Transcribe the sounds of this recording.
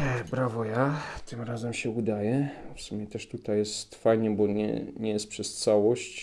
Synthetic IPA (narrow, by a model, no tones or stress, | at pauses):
bɾavɔjat̪ɘmɾazɛmɕɛud̪ajɛfsumʲjɛt̪ɛʂt̪ut̪ajɛst̪fajɲɛbɔɲɛ̰ɲɛjɛst̪̚pʂɛst̪sawɔɕt͡ɕ